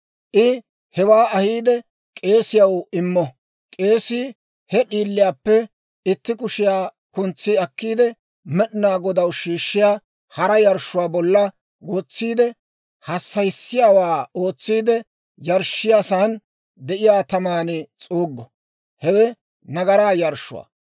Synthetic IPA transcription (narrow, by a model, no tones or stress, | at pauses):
ʔɪ | hɛwaːɐhiːd̪ɛ | kʼe̞ːsɪjɐwɪmːɔ | kʼe̞ːsiː | hɛɗiːlːɪjaːpːɛ | ɪt̪ːɪkʊʃɪjaː | kʊnt͡sːiɐkːiːd̪ɛ | mɛɗɪnaːɡɔd̪ɐwʃiːʃːɪjaː | hɐɾɐjɐɾʃːʊwaːbɔlːɐ | ɡɔt͡sːiːd̪ɛ | hɐsːɐjsːɪjaːwaːo̞ːt͡sːiːd̪ɛ | jɐɾʃɪjaːsaːn | d̪ɛʔɪjaːt̪ɐmaːnɪt͡sʼuːɡːɔ | hɛwɛ | nɐɡɐɾaːjɐɾʃːʊ̰wa̰ː